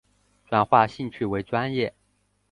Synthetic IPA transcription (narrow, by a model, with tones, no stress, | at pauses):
t͡swa˥˩nxwa˥˧ɕi˥˧ŋt͡ɕʰy˥˩we˧˥ɪt͡swa˥njɛ˥˩